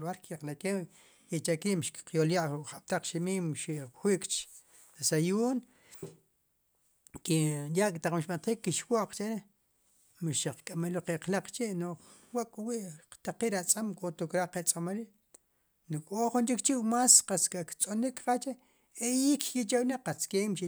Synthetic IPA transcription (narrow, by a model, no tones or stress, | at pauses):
lwaɾkjaqlakew | jet͡ʃakiʔmʃkqjoljaʔχaɓ̥̚t̪aq͡χʃimiːmʃiʔxwiʔkʼt͡ʃ | sajuːn | kijaʔkʼt̪aq͡χmiʃɓant̪χiːkːiʃwoʔq͡χt͡ʃeɾe | miʃaq͡χkʼameloqeqlaq͡χt͡ʃiʔno | waʔkʼwiʔt̪aqiːʔɾat͡sʼamkʼot̪ukɾaqet͡sʼamaɾi | nokʼoχunt͡ʃikt͡ʃiwmasqaskakt͡sʼonikqat͡ʃe | ejikkit͡ʃawnaqat͡skeːmʃi